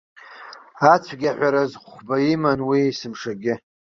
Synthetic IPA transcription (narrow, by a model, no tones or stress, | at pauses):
at͡sʷʰɡʲaħʷaɾazχʷbaimanwiːsɨmʂaɡʲɪ